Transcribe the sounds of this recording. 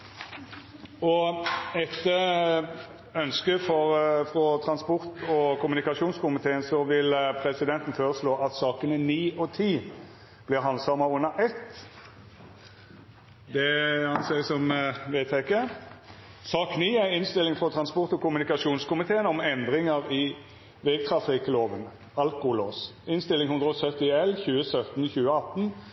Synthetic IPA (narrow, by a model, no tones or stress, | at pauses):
ɔɛt̪ːə | œnskəfɔɾfʁɔt̪ʰɾɑnspɔʁt̪ɔkʰʊmʉnɪkɑʂuːnskʊmɪt̪ʰeːənsɔʋɪlpʰɾɛsɪd̪ɛnt̪n̩føːɾəsloːʔɑt̪sɑːkənəniːʔɔt̪ʰiː | b̥lɪɾɦɑnsɑmɑʊnːəʔɛt̪ː | d̪ɛhɑnsɛɪsɔmʋeːt̪ʰɛkːə | sɑːkniːæɪnst̪ɪlːɪŋfɔt̪ʰɾɑnspɔʁt̪ɔkʰʊmʉnɪkɑʃuːnskʰʊmɪt̪ʰeːənɔmɛnd̪ʁɪŋəʁɪ | ʋɛɡ̚t̪ʰʁɑfɪkəloːʋən | ɑlkʊloːsɪnst̪ɪlːɪŋhʉnd̪ʁəɔsœt̪ːɪɛlçʉːəsœt̪nçʉːəɑt̪ːn̩